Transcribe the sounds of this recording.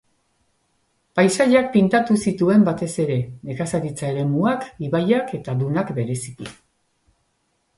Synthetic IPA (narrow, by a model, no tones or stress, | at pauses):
pajsaʎak̚pint̪at̪usit̪ue̞mbat̪e̞se̞ɾe̞ekasaɾit͡sae̞ɾe̞muakiβajake̞t̪aðunakbe̞ɾe̞si̥ki